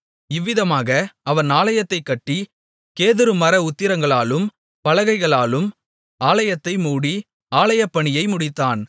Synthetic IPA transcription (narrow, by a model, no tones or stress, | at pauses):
ɪʋːɪðɐmaːɣɐɐʋɐnaːlɐjɐt̪ːɐɪkːɐʈːi | keːðɪɾɯmɐɾɐʊt̪ːɪɾɐŋɡɐɭaːlɯm | pɐlɐɣɐɪɣɐɭaːlɯm | aːlɐjɐt̪ːɐɪmuːɽi | aːlɐjɐpːɐɳɪjɐɪmʊɽɪt̪ːaːn